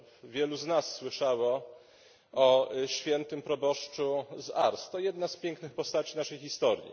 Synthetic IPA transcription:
vʲjɛluznasːwɘʂawɔ | ɔɕfʲjɛnt̪ɘmpɾɔbɔʂt͡ʂuza̰ɾst̪ɔjɛd̪naspʲjɛŋknɘxpɔst̪at͡ɕinaʂɛjxʲist̪ɔɾʲjḭ

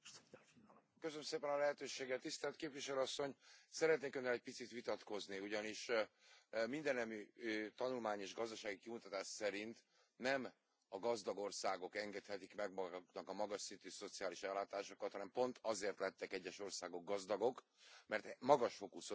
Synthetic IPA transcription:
køsønømseːpɛnɒlɛɦɛt̪øːʃeːɡɛt̪ːist̪ɛlt̪keːpʋiʃɛløɒsːo̞ɲsɛɾɛt̪neːkø̞nːɛlɛc̚pit̪sit̪ʋit̪ɒt̪ko̞zniuɟɒniʃ | mind̪ɛnːɛmyt̪ɒnulmaːɲeːʒɡɒzd̪ɒʃaːɡikimut̪ɒt̪aːʃsɛɾint̪ | nɛm | ɒɡɒzd̪ɒɡo̞rsaːɡo̞kɛŋɡɛt̪hɛt̪ikmɛɡmnɒkɒmɒɡɒʃsint̪yso̞t̪sijaːliʃɛlːaːt̪aːʃokɒt̪hɒnɛmpo̞nt̪ʰɒzeːrt̪lɛt̪ːɛkɛɟːɛʃo̞rsaːɡo̞ɡ̚ɡɒzd̪ɒɡo̞k | mɛrt̪mɒɡɒʃfokus

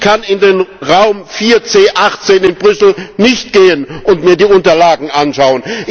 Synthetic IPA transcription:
kʰanɪndeːnʁaʊmfiːɐt͡seːʔaχtt͡seːnɪnbʁʏsl̩nɪçtɡ̥eːənʔʊntmiːɐdiːʊntɐlaːɡŋ̩ʔanʃaʊənʔ

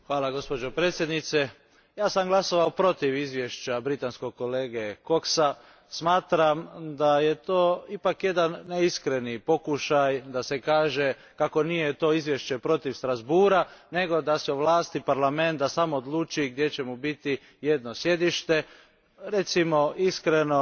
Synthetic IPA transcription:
xʋaːlaɡo̞spod͡ʒopɾeːt̪sje̞d̪nit̪se | jaːsamɡlˠaso̞ʋaopɾo̞t̪iʋizʋje̞ʃt͡ɕabɾit̪ansko̞ɡ̚ko̞leːɡeko̞ksa | smaːt̪ɾamd̪aje̞t̪oːipakje̞d̪anːeiskɾe̞nipo̞kuʃajd̪ase̞kaːʒe̞ | kako̞nijet̪o̞ːizʋje̞ʃt͡ɕe̞pɾo̞t̪iʋst̪ɾazbuːɾane̞ɡo̞d̪asɛuʋlaːst̪ipaɾlame̞nt̪d̪asamoːd̪luːt͡ʃiɡ̚d̪je̞t͡ɕe̞mubit̪i | je̞d̪no̞sje̞d̪iʃt̪e̞ | ɾe̞t̪simo̞iskɾeno̞

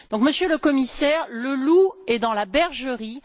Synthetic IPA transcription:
d̪̥ɔ̃kməsjøləkɔmisɛːʁləluɛd̪ɑ̃labɛʁʒəʁi

